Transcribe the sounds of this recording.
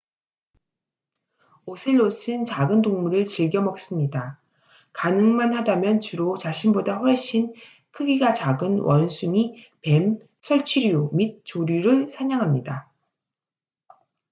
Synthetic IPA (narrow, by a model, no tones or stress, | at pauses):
osʰɯɭːos͈ʰɯnt͡ɕaɡɯndoŋmuɾɯɭt͡ɕiɭɡjʌmʌk̚s͈ɯmɲida | kanɯŋmanhadamjʌnt͡ɕuɾot͡ɕaɕʰinbodaɸweɕ͈ʰin | kʰɯɡiɡat͡ɕaɡɯnwʔʌnsʰumi | pe̞m | sʰʌɭt͡ɕʰiɾiomit̚t͡ɕ͈oɾjuɾɯɭsʰaɲaŋɦamɲida